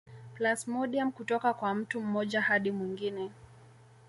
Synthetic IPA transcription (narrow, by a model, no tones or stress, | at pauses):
plasmɔɗiamkutɔkakwam̩tum̩mɔʄahaɗimwiŋɡinɛ